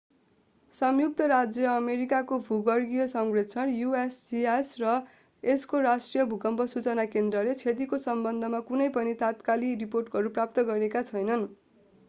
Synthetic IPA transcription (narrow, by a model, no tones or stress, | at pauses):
sʌmjuk̚t̪ʌɾad͡zjʌːmeɾikakobʱuɡʌrɡijʌsʌŋɡret͡sʰʌnjuesiesrʌ | eskoɾasʈrijʌbʱukʌmbʱʌsut͡sʌnakend̪rʌlet͡sʰet̪̬ikosʌmbʌnd̪ʱʌmakunʌjpʌnit̪at̪kaliriporʈɡʌɾuprap̚t̪ʌɡʌɾekat͡sʰʌjnʌn